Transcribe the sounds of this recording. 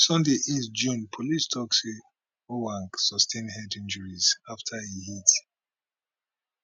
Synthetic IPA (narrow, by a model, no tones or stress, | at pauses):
sɔ̃ndeʔisd͡ʒũnpʰolistʰɔksi | owãŋksɔstʰẽnhɛdĩnd͡ʒɔɹizaftʰaihit